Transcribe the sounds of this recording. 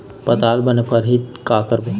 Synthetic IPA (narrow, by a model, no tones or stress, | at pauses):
pɐt̪aːlbɐnepəɾɦit̪kaːkəɾb